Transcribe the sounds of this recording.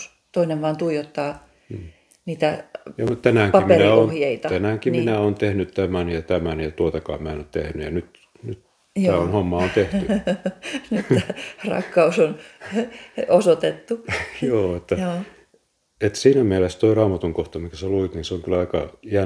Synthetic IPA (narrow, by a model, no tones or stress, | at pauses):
s | t̪oineʋʋɑːnt̪uijot̪ːɑ | niːt̪æjɑmutt̪ænæːŋpɑimmerinæoonhjeit̪ɑt̪ænæːŋkinminæoːnt̪ehnytt̪æmænjɑt̪æmænjɑt̪uot̪ɑkɑ̰ːmmæenot̪t̪ehnyjɑnyt̪ | nyt̪ | æːonhomːɑont̪eht̪y | nyt̪rɑ̰kːɑuson | osot̪et̪ːujoːet̪ːæo | et̪siːnæmiælest̪oirɑːmɑt̪uŋkoht̪ɑmiŋkæseluit̪niːseoŋkylɑikɑ̰jæ